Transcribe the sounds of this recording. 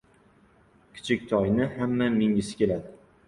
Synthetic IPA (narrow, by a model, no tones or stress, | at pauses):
kʲʰɪ̥t͡ʃʰɪkʲt̪ʰɒjnɪhamːamɪŋɪsɪ̥kʲe̞lad̪ɪ